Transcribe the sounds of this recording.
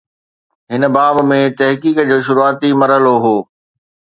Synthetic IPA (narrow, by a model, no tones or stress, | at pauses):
ɦɪnə̆baːbmẽt̪ɐɦkiːkd͡ʑoːʃ̬ʊɾuaːt̪imɐɾəloɦoː